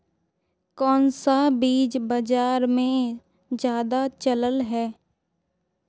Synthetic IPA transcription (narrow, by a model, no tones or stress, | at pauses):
kɔːnsabiːd͡ʒbəd͡ʒaːɾmẽ | d͡ʒjaːd̪at͡ʃələlɦɛː